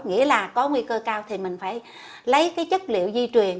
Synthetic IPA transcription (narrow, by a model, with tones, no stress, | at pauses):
ŋḭ˧˥əlaː˨˩kɔ˨˦ŋwi˧kəː˧kaː˧wt̪ʰi˨˩mï˨˩ŋ̟faː˧˩j | lə˨˦jkaː˨˦jt͡ɕə˦˥t̚lḭ˧˨əwzi˧t͡ɕwi˨˩ən